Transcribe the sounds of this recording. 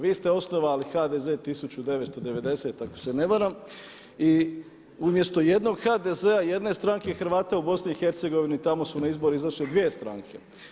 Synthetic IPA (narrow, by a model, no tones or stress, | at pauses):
ʋiːst̪e̞o̞snoʋaːlixaːd̪e̞ze̞ːt̪isut͡ɕud̪e̞ʋest̪o̞d̪e̞ʋe̞d̪e̞se̞t̪ako̥se̞ne̞ʋaɾam | i | umje̞st̪o̞je̞d̪no̞ɡxad̪e̞ze̞aje̞d̪ne̞st̪ɾaŋkeixɾʋaːt̪aubo̞sniixe̞ɾt̪se̞ɡo̞ʋinit̪amo̞sunaizbo̞ɾiizaʃled̪ʋiest̪ɾa̰ŋkʰe̞